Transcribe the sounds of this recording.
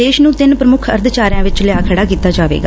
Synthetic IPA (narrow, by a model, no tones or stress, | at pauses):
eːʃnũːt̪ɪnpɾəmʊkʰə̰ɾd̪t͡ʃaːɾɪjãːʋɪt͡ʃlɪjaːkʰəɽaːkiːt̪aːd͡ʒaːʋḛːɡa̰ː